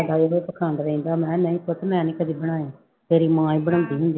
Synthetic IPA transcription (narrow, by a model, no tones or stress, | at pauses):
d̪aːeɦoepəkʰaːnd̪ɾəĩːnd̪aːmɛ̃ːnəĩːkʊt̪ʰmɛ̃ːnĩːkəd̪iːbəɽ̃aːjãː | t̪eːɾiːmãːĩːbəɽ̃ãːnd̪iːɦʊ̃nd̪i